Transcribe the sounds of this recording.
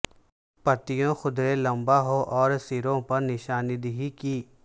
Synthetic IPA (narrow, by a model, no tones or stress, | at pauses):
pɐt̪ijõxʊd̪ɾelɐ̃mbaɦoʔɔːɾsiɾõpɐɾnɪʃaːnɪd̪ɦikiː